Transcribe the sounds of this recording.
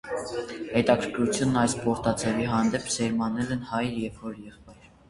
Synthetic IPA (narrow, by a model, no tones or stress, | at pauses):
hɛt̪ɑkʰəɾkʰɾut͡sʰjunːɑjspɔɾt̪ɑt͡sʰɛviɦɑnd̪ɛpʰzɛɾmɑnɛlɛnhɑjjɛvhɔɾjɛχpɑjɾ